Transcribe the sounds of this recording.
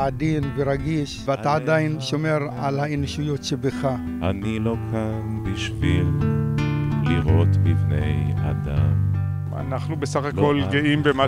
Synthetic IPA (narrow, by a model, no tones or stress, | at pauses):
ad̪inveɾaɡiʃveataːd̪ainʃo̞me̞ʁalhainoʃujo̞tʃebeχa | anilo̞kʰanbiʃvil | liʁot̪livneja̰d̪am | a̰naχnubesaχakolɡeimbema